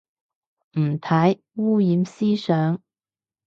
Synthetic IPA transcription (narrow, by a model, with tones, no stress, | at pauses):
m̩˨˩t̪ʰa˨˥j | wu˥ji˨˥msi˥sœ˨˥ŋ